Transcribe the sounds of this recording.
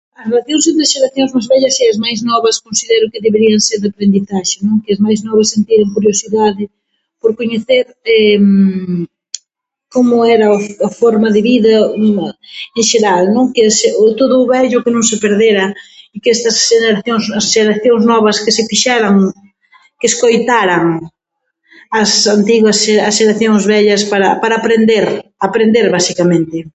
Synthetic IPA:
ɐsrelaθjõŋs̬ent̪ɾɐsʃeɾaθjõŋzmajzβɛʎɐseɐzmajznɔβɐskõnsiðɛɾʊkɪðeβeɾiɐŋseɾðapɾend̪iθaʃɪnõŋkɪɐzmajznɔβɪsːent̪iɾɐŋkuɾjosiðaðɪ | poɾkoɲeθeɾ | ɛm | komʊɛɾɐoafoɾmɐðɪβiðɐ | eŋʃeɾalnõŋkɪseʊt̪oðʊβɛʎʊkɪnõŋsɪpeɾðeɾɐikɛst̪ɐsʃeneɾaθjoŋzɐsʃeɾaθjoŋznɔβɐskɪsɪfiʃaɾɐŋ | kɪeskojt̪aɾɐŋ | ɐsant̪iɣwɐseɐsʃeɾaθjoŋzβɛʎɐspaɾɐpaɾɐːpɾend̪eɾapɾend̪eɾβasikamẽnt̪ɪ

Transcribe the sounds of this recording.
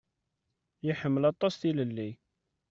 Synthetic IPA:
jəħəmːəlɑt̪ˤːɑsθiləlːi

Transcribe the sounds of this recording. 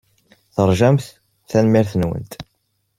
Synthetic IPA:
θəɾˤʒæmθ | θænmiɾθənwə̰nt̪

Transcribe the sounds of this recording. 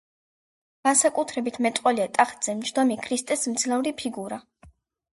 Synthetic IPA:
ɡ̥ansakʼut̪ʰɾɛbit̪ʰmɛt̪ʼqʼwɔliat̪ʼaχd̪z̥ɛmt͡ʃd̪ɔmikʰɾist̪ʼɛsmd̪zlɛvɾipʰiɡuɾa

